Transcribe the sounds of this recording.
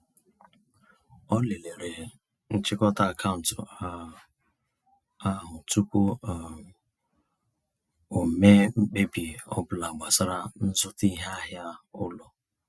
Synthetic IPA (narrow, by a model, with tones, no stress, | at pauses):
ɔ˦le˨le˨ɾe˨ | n̩˦t͡ʃɪ˦kɔ˦ta˦˨kʰa˦˨n̩˨tʊ˨˦ | a˦ɦʊ˨tu˦kʷu˦˨ | o˨me˦ŋ͡m̩˦k͡pe˦bi˨ɔ̰˦bʊ˨la˨ɡ͡ba˨sa˦ɾa˦n̩˦zʊ˦ti˦ɦa˦ɦja˦ʊ˦lɔ˨